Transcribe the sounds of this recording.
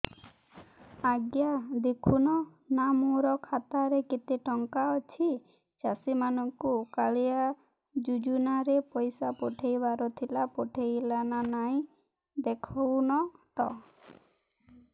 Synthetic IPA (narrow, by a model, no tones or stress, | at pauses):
aɡjad̪ekʰunɔ | namoɾɔkʰat̪aɾeket̪eʈɔŋkaɔt͡ʃʰi | d͡ʒasimanɔŋkukaɭija | d͡ʒud͡ʒunaɾepɔjsapɔʈʰejbaɾɔt̪ʰilapɔʈʰejlananaĩ | d̪ekʰɔwnɔʈ̪ɔ